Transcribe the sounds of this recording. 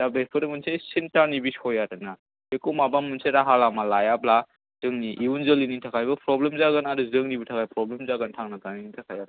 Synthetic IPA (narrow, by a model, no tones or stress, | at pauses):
dabespʰɯɾemunsesintaɾnibishɔjatɯna | ekumabamunseɾaɦalamalajabla | z̥ɯŋniʔiunzɯliniŋtʰakʰajbɐpɾɔblemzaɡɯnadɯzɯŋnibutʰakʰajpɾɔblemzaɡɯntʰaŋnaɡaninitʰakʰajat